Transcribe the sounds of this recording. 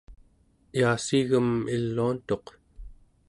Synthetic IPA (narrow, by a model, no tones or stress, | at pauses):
iasiɣəmilːuːnt̪o̞q